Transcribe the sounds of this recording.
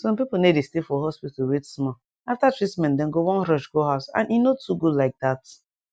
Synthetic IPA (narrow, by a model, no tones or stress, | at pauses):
sɔ̃mpiponedestefɔɦɔspitowetsmɔ | aftatɹismɛ̃ndɛ̃ŋɡowɔ̃nɾɔʃɡoɦaʊsã̰ninotʰuɡolaɪk̚dat